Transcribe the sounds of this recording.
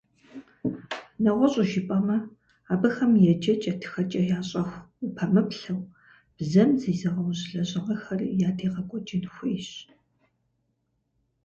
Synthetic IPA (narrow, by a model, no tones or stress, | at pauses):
nɐʁʷɔɕʼʊʒɪpʼɐmɐ | aːbɐxɐmjɛd͡ʒɐt͡ʃʼɐtʰɨ̥xɐt͡ʃʼɐjaːɕʼɐxʷʊpʰɐmɨpɬɐw | b̥zɐmziːzɐʁɐwʑɮɐʑɪʁɐxɐrjaːdʰeːʁɐkʷʼɔt͡ʃʼɪnxʷʊjɕ